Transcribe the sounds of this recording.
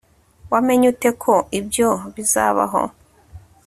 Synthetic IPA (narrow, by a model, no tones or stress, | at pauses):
wame̞ɲute̞kʰo̞ibjo̞βiza̰ːβa̰ɦo̞̰